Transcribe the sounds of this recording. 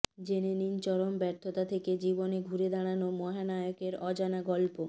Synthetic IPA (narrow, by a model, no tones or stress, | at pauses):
d͡ʑenenint͡ɕɔɾombɛɾt̪ʰot̪at̪ʰeked͡ʑiboneɡʱuɾed̪aɽ̃anomɔɦanajokeɾɔd͡ʑanaɡɔlpo